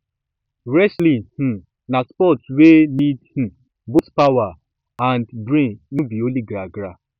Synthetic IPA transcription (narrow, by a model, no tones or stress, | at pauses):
ɾɛslih̩ | naspɔtwenidh̩ | bospawa | andbɾĩnũbioliɡɾaɡɾa